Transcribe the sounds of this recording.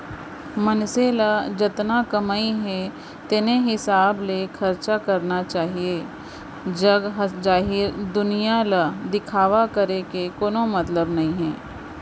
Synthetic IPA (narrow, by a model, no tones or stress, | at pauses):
mɐnselad͡ʒɪt̪nakɐmaːiɦɛ̃ | t̪ɪneɦɪsaːblexʰɐɾt͡ʃakɐɾnat͡ʃaːɦieː | d͡ʒɐɡɦd͡ʒaːɦɪɾd̪ʊnijalad̪ɪkʰaːʋakɐɾekekoːnomɐt̪ləbnɐɦĩɦɛ̃ː